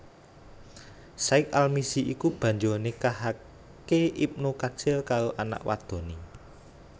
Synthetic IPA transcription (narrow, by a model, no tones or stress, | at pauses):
saɪk̚almisiʔikub̥ä̤ɲd͡ʒonekaɦa | keip̚nukad̥ʒ̥əlkaɾoʔana̰ʔwa̰d̪̥o̤ni